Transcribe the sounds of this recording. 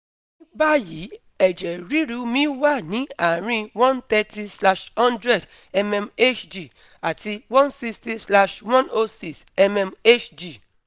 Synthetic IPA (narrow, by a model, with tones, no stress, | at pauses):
ĩ˦ba˦ji˨˦ | ɛ˨d͡ʒɛ˨ɾi˦ɾu˧mĩ˦wa˦˨nĩ˨˦a˨ɾĩ˧˦wɔ̃˦ntɛ˦ti˦sla˦ʃhɔ̃˦ndɾɛ˦˨d | ɛ˦mɛ˧me˦t͡ʃd͡ʒi˨ | a˨ti˧wɔ̃˦nsi˦sti˦sla˦ʃwɔ̃˦no˦si˦˨sɛ˦mɛ˧me˦t͡ʃd͡ʒi˨